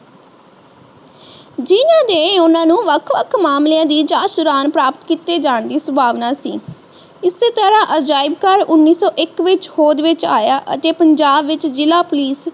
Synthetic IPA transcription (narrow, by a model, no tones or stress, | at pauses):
d͡ʒɪnãːd̪eːẽʊnãːnũːʋəkʰʋəkʰmaːmleãːd̪iːd͡ʒaːʃʊɾaːnpɾaːpət̪kiːt̪eːd͡ʒaːɳd̪iːsəbʱaːʋnaːsḭː | ɪseːt̪əɾãːʔəd͡ʒaːɪbkəɾʊnːiːsɔːʔɪkʋɪt͡ʃhoːd̪ʋɪt͡ʃa̰ːjaːʔə̰t̪eːpəɲd͡ʒaːbʋɪt͡ʃd͡ʒɪlaːpʊliːs